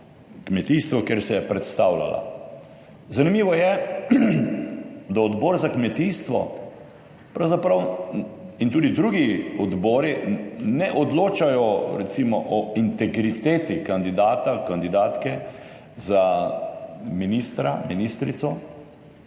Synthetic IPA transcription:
kmɛt̪iːst̪ʋɔkjeɾsɛjɛpɾɛt̪st̪aːwla̰la̰ | zanimiːʋɔjɛ | d̪aɔd̪bɔːɾzakmɛt̪iːst̪ʋɔ̰ | pɾawzapɾaw | int̪uːd̪id̪ɾuɡiɔd̪bɔːɾinɛʔɔd̪loːt͡ʃajɔɾɛt̪simɔʔɔint̪ɛɡɾit̪eːt̪ikand̪id̪aːt̪akand̪id̪aːt̪kɛ | za | minist̪ɾaminist̪ɾit̪sɔ

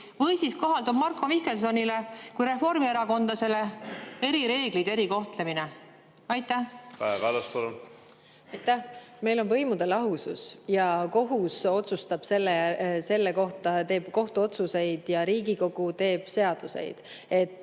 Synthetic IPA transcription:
vɤjsisko̞ɦɑld̪ub̥̚mɑrkːo̞mihkels̬o̞nʲilekujɾe̞fo̞ɾmieɾɑko̞nd̪̥ɑse̞lee̞ɾiɾe̞ːɡ̥lid̪̥e̞ɾiko̞ht̪lemine | ɑjt̪ːˑæhkɑɑvælɑspɑlon | ɑjt̪ːæhme̞jlo̞nvɤ̞jmud̪̥e̞lɑɦususjɑko̞ɦuso̞t̪sust̪ɑb̥se̞lːese̞lːeko̞ht̪ɑt̪e̞ːb̥ko̞ht̪uo̞t̪suse̞jd̪̥jɑɾiːɡiko̞ɡ̥ut̪e̞ːb̥se̞ɑd̪̥use̞̰jd̪̥ | e̞t̪ˑː

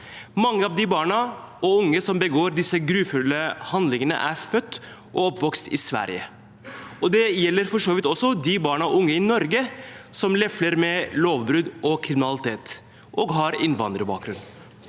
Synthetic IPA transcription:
mɑŋːəɑːʋd̪ɪbɑːɳɑ | ɔʊŋːəsɔmbəɡoːɾd̪ɪsːəɡɾʉːfʉlːəhɑnd̪lɪŋənə̰ʔæ̰ɾfœt̪ː | ʔɔɔpːʋɔkst̪ɪsʋæ̰ɾj̰ə̰ | ɔd̪ɛjɛlːəɾfɔʂoːʋɪt̪ɔsːɔd̪ɪbɑːɳɑɔʊŋːəɪnɔɾɡəsɔmlɛfləɾmɛloːʋbɾʉd̪ʔɔkʰɾɪmɪnɑlɪt̪ʰeːt̪ | ʔɔːɡɦɑɾɪnʋɑ̰nd̪ɾəbɑ̰ːk̚ɡɾʉnː

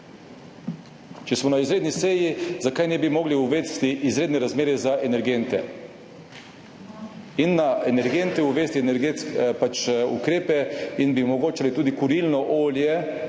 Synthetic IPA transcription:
t͡ʃɛsmɔnaizɾeːd̪niseːjizakajnɛbimɔːɡliuʋest̪iʔizɾeːd̪nɛɾazmeːɾɛzaʔɛnɛɾɡent̪ɛ | inːaʔɛnɛɾɡent̪ɛuʋeːst̪iɛnɛɾɡet̪skpat͡ʃṵkɾeːpɛinbiumɔɡoːt͡ʃalit̪uːd̪ikuɾilnɔʔoːljɛ

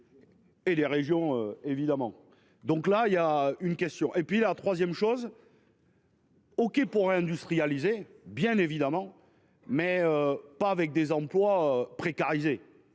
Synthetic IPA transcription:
eleʁeʒjɔ̃øevid̪amɑ̃ | d̪ɔ̃klaijaynkʲɛst̪jɔ̃ʔepɥilat̪χwazjɛmʃoz | ɔkʲepuʁeɛ̃d̪yst̪χijalizebjɛ̃nevid̪amɑ̃ | mɛøpaːvɛk̚d̪ezɑ̃plwaøpχekaʁize

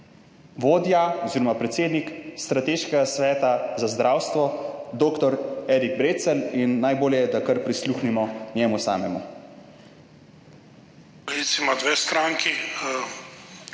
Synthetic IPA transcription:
ʋoːd̪jaɔziːɾɔmapɾɛt̪seːd̪nikst̪ɾat̪eːʃkɛɡasʋɛːt̪azazd̪ɾʔaːwst̪ʋɔd̪oːkt̪ɔɾɛːɾiɡ̚bɾeːt̪sɛlinːajboːljɛd̪akəɾpɾisluːxnimɔnjɛːmusa̰ːmɛmu | ɾisimad̪ʋest̪ɾaŋki

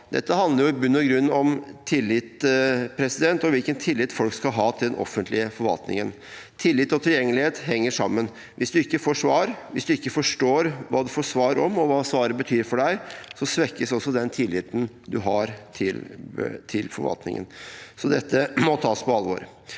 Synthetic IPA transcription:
d̪ɛ̰t̪ːəhɑnd̪əɾjʊbʉnːɔɡɾʉnːɔmt̪ʰɪlːɪt̪pʰɾɛsɪd̪ɛnt̪ɔʋɪlkənt̪ʰɪlːɪt̪fɔlkskɑlɦɑːt̪ʰɪld̪ɛnʔɔ̰fənt̪ʰlɪəfɔɾfɑ̰lt̪nɪ̰ŋə̰n | t̪ʰɪlːɪt̪ːɔt̪ʰɪljɛŋːəlɪheːt̪ɦɛŋːəʂɑ̰mːən | ʋʔɪsd̪ʉɪkːəfoːʂʋɑːɾʋɪsd̪ʉɪkːəfɔʂʈoːɾʋɑːd̪ɛfɔʂʋɑːɾɔmɔʋɑːsʋɑːɾəbət̪ʰyːɾfɔɖæɪsɔsʋɛkːəsɔsːɔd̪ɛnt̪ʰɪlːɪt̪n̩ | d̪ʉɦɑɾt̪ʰɪl̰t̪ʰɪlfɔɾfɑ̰lt̪nɪ̰ŋə̰nsɔd̪ɛt̪ːəmɔt̪ʰɑːspʰɔɑlʋo̰ːɾ

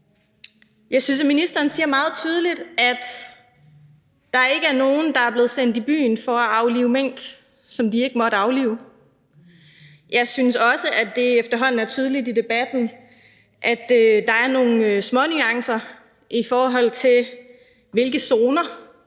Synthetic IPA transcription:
jɑ̈ɪsynsæminisd̥ɐːn̩siːɐmɑ̈ːð̞̩ˠt͡sʰyːð̞ˠəlid̥æd̥ | ɑ̈æɐe̝ɡ̥əæɐno̝ːn̩d̥ɑ̈æɐble̝ːð̞̩ˠsen̰d̥ib̥y̰ːnfɒ̽æɑ̈ʊliːʊmeŋ̰ɡ̥ | sɒ̽md̥ie̝ɡ̥əmɒ̽ɾ̥əɑ̈ʊlḭːʊ | jɑ̈ɪsynsɒ̽səʔæd̥e̝efd̥ɐɦɒ̽n̰n̩æɐt͡sʰyːðˠəlid̥id̥e̝b̥æd̥n̩ | ʔæd̥ød̥ɑ̈æɐno̝ːn̩smɒ̽nyɑ̈ŋsɐ | ʔifɒːɦɒ̽l̰t͡sʰe̝l | ʋe̝lɡ̥əso̝ːnɐ

